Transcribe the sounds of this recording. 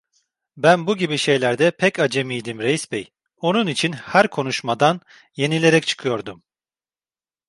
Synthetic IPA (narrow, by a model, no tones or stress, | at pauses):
bænbuɟibiʃe̞jlʲæɾd̪ɛpʰɛcad͡ʒemijd̪imɾe̞jisbɛj | o̞nunit͡ʃʰinhæɾkʰo̞nuʃmad̪an | je̞nilʲe̞ɾɛc̚t͡ʃʰɯ̥kʰɯjo̞ɾd̪um